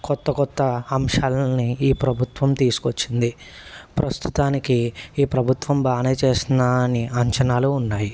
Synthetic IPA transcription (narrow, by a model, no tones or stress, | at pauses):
kɔt̪ːɐkɔt̪ːɐɐmʂaːlɐniiːpɾɐbʱut̪ʋɐmt̪iːsu̥kot͡ʃːind̪i | pɾʔɐst̪ʰut̪aːnikiːpɾɐbʱut̪ʋɐmbʱaːneːt͡ʃeːsinaniɐɲt͡ʃɐnaːluːnːaːji